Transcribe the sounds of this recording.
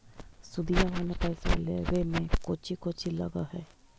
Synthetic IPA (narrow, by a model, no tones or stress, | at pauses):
sʊd̪ijaɦonepɛɪsa̰lḛwemẽkoːt͡ʃʰikot͡ʃilə̰ɡa̰ɦɛː